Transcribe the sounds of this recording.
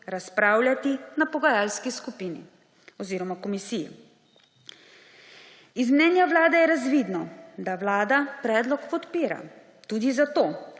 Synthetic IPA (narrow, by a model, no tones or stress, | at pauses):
ɾaspɾaːwljat̪inapɔɡajaːlskiskupinḭ | ɔziːɾɔmakɔmisijɛ̰ | izmnɛːnjaʋlaːd̪ɛjɛɾazʋiːd̪nɔd̪aʋlaːd̪apɾɛːd̪lɔkpɔt̪piːɾa̰ | t̪uːd̪izat̪oː